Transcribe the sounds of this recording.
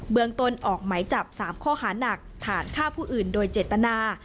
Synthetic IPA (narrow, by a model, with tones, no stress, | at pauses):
bɯ˧əŋt̪o˧nʔɔː˨˩k̚ma˩˦jt͡ɕa˨˩p̚saː˩˦mkʰɔː˥˩haː˩˦na˨˩k̚t̪ʰaː˩˦nkʰaː˥˩pʰuː˥˩ʔɯː˨˩ndoː˧jt͡ɕeː˨˩t̪ːa˧naː˧